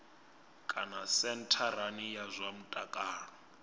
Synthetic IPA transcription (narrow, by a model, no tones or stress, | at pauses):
kʼanasɛntʰaɾanijazʷamutʼakʼaːɺɔ